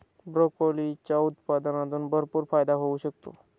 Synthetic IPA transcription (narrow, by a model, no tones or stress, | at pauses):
bɾokolit͡ɕaut̪pad̪ənãt̪uːnbʱəɾpuːɾfajd̪aɦouɕək̚t̪o̰